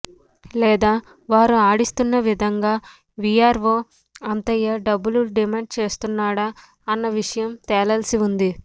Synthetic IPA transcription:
lɛːd̪aː | ʋaːɾuaːɽist̪unːɐʋid̪ʱɐŋɡaː | ʋiaːɾʋoː | ɐnt̪ɐjɐɖɐbːuluɖimeːɳɖ̚t͡ʃe̞ːst̪unːaːɽa | ɐnːɐʋiʂɐjɐmt̪ɛːlɐlɐsiund̪i

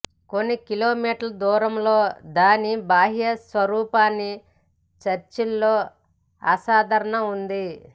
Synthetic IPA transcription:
ko̞nːikiloːmiːʈɐlɐd̪uːɾɐmlo̞ːd̪aːnibaːɦijɐsʋɐɾuːpaːnːi | t͡ʃɐɾt͡ʃilːo̞ː | ɐ̰saːd̪ʱɐɾɐɳɐund̪i

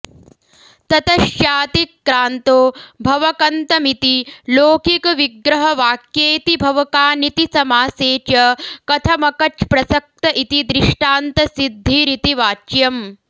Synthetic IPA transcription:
t̪ɐt̪ɐʃjaːt̪ikːɾaːnt̪oːbʱɐʋɐkɐnt̪ɐmit̪iloːkikɐʋiɡɾɐɦɐʋaːkjeːt̪ibʱɐʋɐkaːnit̪isɐmaːseːt͡ʃɐkɐt̪ʰɐmɐkɐt͡ʃpɾɐsɐk̚t̪ɐʔit̪id̪ɾiʂʈaːnt̪ɐsid̪ʱːiɾit̪iʋaːt͡ʃjɐm

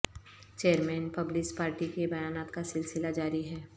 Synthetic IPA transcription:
t͡ʃeːəɾmɛ̃ːnpɐblɪspaːɾʈikebɐjaːnaːt̪kasɪlsɪlad͡ʒaːɾiɦɛː

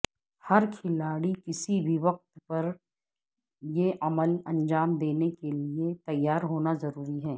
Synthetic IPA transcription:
hɐɾkʰɪlaːɽikɪsibʱiʋɐq̚t̪pɐɾ | jeʔɐməlɐ̃nd͡ʒaːmd̪eːnekeliet̪ɐjːaːɾɦoːnazɐɾuːɾiɦɛː

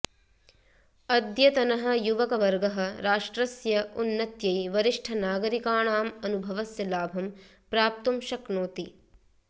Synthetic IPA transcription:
ɐd̪jɐt̪ɐnɐɦɐ̆juʋɐkɐʋɐɾɡɐɦɐ̆ɾaːʂʈɾɐsjɐunːɐt̪jɐjʋɐɾiʂʈʰɐnaːɡɐɾikaːɳaːmɐnubʱɐʋɐsjɐlaːbʱɐm | pɾaːp̚t̪umʃɐknoːt̪i

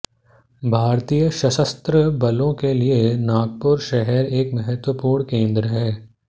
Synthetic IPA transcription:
bʱaːɾt̪ijəʃɐʃəst̪ɾəbɐlõkelienaːɡ̚pʊɾʃɛɦɛɾeːkmɛɦɛt̪wəpuːɾɳ̃kẽːnd̪ɾəɦɛː

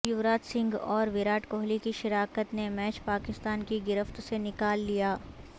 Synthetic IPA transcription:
jʊʋɾaːt̪sɪ̃ŋɡɔːɾʋɪɾaːʈkoːɦlikiʃɪɾaːkət̪nemɛːt͡ʃpaːkɪst̪aːnkiɡɪɾəft̪senɪkaːlːijaː

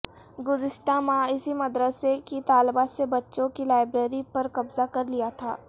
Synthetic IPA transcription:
ɡʊzɪsʈamãɪsimɐd̪ɾəsekit̪aːlbasebɐtːʃõkilaːɪbɾeːɾipɐɾkɐbzakɐɾlijat̪ʰa̰ː

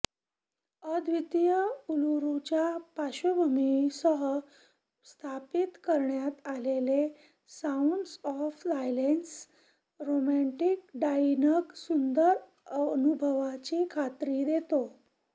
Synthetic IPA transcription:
əd̪ʱʋit̪jəuluɾut͡ɕjapaɕubʱəmisəɦə | st̪ʰapit̪kəɾɳjat̪alele | sãuɳɖsɔfsajlens | ɾomæ̃ɳʈik̚ɖainəksund̪əɾ | ənubʱəʋat͡ɕiːkʰat̪ɾiːd̪et̪o

